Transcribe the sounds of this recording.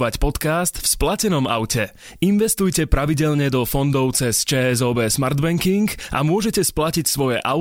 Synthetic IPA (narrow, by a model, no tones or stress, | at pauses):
ʋacpɔt̪kast̪fsplacɛnɔma̰ʊcɛ | inʋɛst̪ujcɛpɾaʋiɟɛʎɲɛd̪ɔfɔnd̪ɔʊt͡sɛst͡ʃɛːɛzɔːbɛːsmaɾd̪bɛŋkiŋka̰mʊɔʒɛcɛsplacicsʋɔjɛʔaʊ